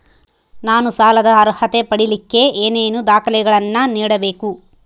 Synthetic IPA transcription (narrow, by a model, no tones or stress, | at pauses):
naːnusaːlɐd̪ɐːɾhɐt̪e̞pɐɽilikːe̞ʔeːneːnud̪aːkɐlɛɡɐɭɐnːɐniːɽɐbe̞ːku